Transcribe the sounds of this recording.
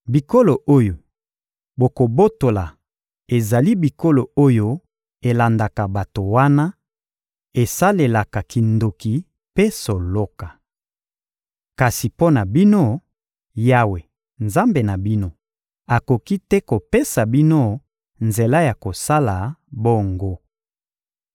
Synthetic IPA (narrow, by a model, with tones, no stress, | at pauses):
bi˨ko˦lo˨ʔo˦jo˨ | bo˨ko˨bo˦to˨la˨ | e˨za˨li˦bi˨ko˦lo˨o˦jo˦ | e˨la˨nda˨ka˨ba˨to˨wa˦na˦ | e˨sa˦le˨la˨ka˨ki˨ndo˨ki˨ | pe˦so˨lo˦ka˨ | ka˨si˨po˦na˨bi˦no˦ | ja˦we˨ | nza˦mbe˨na˨bi˦no˦ | a˨ko˨ki˦tɛ˦ko˨pe˦sa˨bi˦no˦ | nze˨la˦ja˨ko˨sa˦la˨bo˦ŋɡo˦